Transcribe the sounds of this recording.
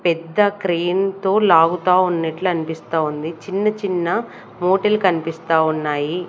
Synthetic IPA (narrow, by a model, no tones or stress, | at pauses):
pɛd̪ːɐkɾeːnt̪o̞ːlaːɡut̪aːunːɐʈluɐnipist̪aːund̪it͡ʃinːɐt͡ʃinːɐ | moːʈɐlkɐnipist̪aːunːaːji